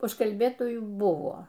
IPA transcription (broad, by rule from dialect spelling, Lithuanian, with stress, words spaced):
ʊʃkɐlʲˈbʲeːtoːjuː ˈbʊʋoː